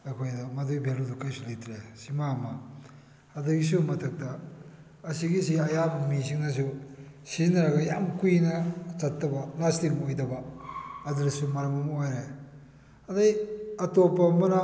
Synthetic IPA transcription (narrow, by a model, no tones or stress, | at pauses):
ɐjkʰojdɐmɐdujbʱeludukajsulitʰɾesimamɐ | ɐduɡis̬umɐtʰɐk̚tɐː | siɡis̬iɐjabɐmisiŋnɐs̬usizinɐɾɐɡɐjamkujnɐt͡ʃɐtːɐbɐlastikojdɐbɐɐduɾɐsumɐɾɐmɐmojɾe | ɐdajɐtopːɐmɐɾa